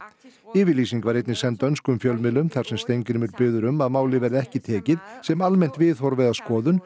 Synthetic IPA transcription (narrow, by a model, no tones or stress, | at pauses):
ɪːvɪliːsiŋkvaɾejt̪nɪsɛnt̪œnskʏmfjœlmɪlʏmθaɾ̥sɛmst̪ejɲcɪɾɪmʏɾpɪːðʏɾʏmaðmaːwlɪvɛɾðɪɛhcɪt̪ʰɛːcɪðsɛmalmɛjn̥t̪vɪðhɔɾvɛðaskɔːðʏn